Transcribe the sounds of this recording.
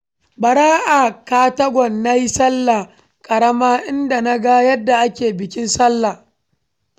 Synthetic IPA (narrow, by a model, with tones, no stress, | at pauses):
bɐ˨ɽaː˦ʔaː˨kaː˦tɐ˦ɡʷɔ˨nːa˦ji˦sɐ˦lːa˨ | kʼɐ˨ɽɐ˦maː˦ʔɪ˦nda˨na˦ɡa˦jɐ˦dːa˨ʔa˦kʲeː˨bɪ˨kʲɪ˦nsɐ˦lːa˨